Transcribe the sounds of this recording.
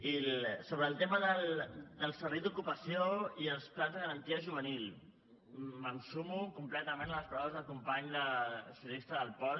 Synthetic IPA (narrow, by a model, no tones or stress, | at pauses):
ilsoβɾəːlˠt̪eməðəld̪əlˠsərβɛjd̪ukupəsioiəlˠsplanzðəɣəɾənt̪iəʒuβ̞ənil | məmsumukumplɛt̪əmenləspɾɔβəzðəlˠkumpaɲd̪əsiunist̪əðəlˠpɔ